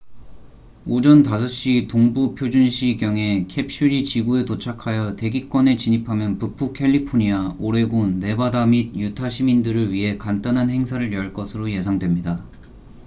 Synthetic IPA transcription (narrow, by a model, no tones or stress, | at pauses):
od͡ʑʌntas̬ʰʌɕ͈itoŋbupʰjod͡ʑunɕʰiɡjʌŋe̞kʰe̞p̚ɕ͈ʰiɾit͡ɕiɡue̞tot͡ɕʰakʰajʌte̞ɡik͈wʌne̞t͡ɕiɲipʰamjʌnpupʰukʰe̞ʎːipʰoɲiaoɾe̞ɡunːe̞badamid̚jutʰaɕʰimindɯɾɯɭɥiɦe̞kant͈anɦanhe̞ŋsʰaɾɯɾjʌɭk͈ʌsʰɯɾoje̞sʰaŋdwe̞mɲida